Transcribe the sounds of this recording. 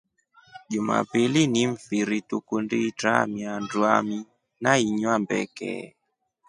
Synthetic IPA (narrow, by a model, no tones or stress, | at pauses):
ʄuma̰piliniɱfiɾitukunditɾa̰miandwami | naiɲwambɛ̰kɛ̰